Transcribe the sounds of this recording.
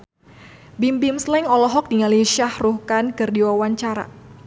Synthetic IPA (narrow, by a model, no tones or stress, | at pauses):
bimbɪmslɛŋɔlɔɦɔk̚diŋaliʃahruhkankɨrdiwawaɲt͡ʃaɾa̰